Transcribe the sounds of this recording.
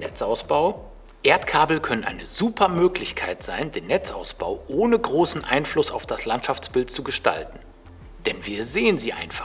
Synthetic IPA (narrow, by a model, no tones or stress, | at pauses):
nɛt͡saʊsb̥aʊ | ʔeːɐtkʰaːbl̩kʰœnənʔa̰ɪnəzuːpʰɐmøːklɪçkʰaɪtz̥aɪndeːnːɛt͡sʔa̰ʊsb̥a̰ʊʔoːnəɡʁoːsn̩ʔa̰ɪnflʊsa̰ʊfd̥aslantʃaft͡sb̥ɪltt͡suɡəʃta̰ltn̩ | d̥ɛnviːɐzeːənziːʔa̰ɪnfḁ